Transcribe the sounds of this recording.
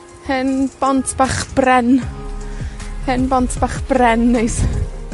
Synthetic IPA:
hɨnb̥ɔntʰb̥aχb̥rɛn | hɨnbɔntʰb̥aχb̥rɛnːejs

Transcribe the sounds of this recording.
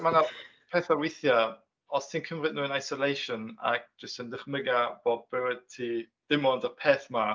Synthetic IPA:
manapʰɛːθawɪθja | ɔstʰiːnkʰəmrɪd̚nuːənajsɔlejʃɔna̰k̚d͡ʒ̥əstəndəχmɪɡab̥oːdbɛwəd̚tʰi | d̥ɪmɔndapʰeːθma

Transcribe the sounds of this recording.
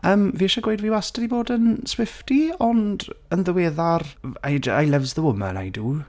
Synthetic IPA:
əːmviːʃaɡwejdviːwastədiboːdənswɪftiɔndənðəweːðarajd͡ʒajlˠɛvzðəwʊmə̰na̰jduː

